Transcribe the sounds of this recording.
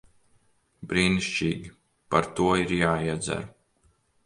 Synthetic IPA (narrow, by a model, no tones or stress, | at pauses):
bɾiːniʃt͡ʃiːɡʲi | paɾt̪uɔiɾjaːiɛd̪zæ̰ɾ